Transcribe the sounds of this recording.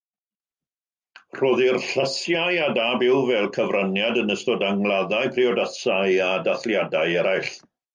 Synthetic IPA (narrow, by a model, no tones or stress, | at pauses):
r̥oːðirɬəsjajadabɪwvɛlˠkʰəvranjadənəstɔdaŋlˠaðaɨpʰriɔdəsajadaθljadaɨɛɾajɬ